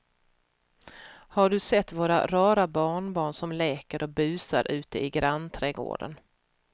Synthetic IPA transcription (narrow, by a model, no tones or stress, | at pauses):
haɖɵsɛt̪ːvoːɾa̰ɾɑːɾabɑːɳbɑːɳsɔmlɛːkəɾʔɔbʉ̟ːsa̰ɾʔʉ̟ːt̪əɪɡɾant̪ʰɾɛɡo̰ːɖə̰n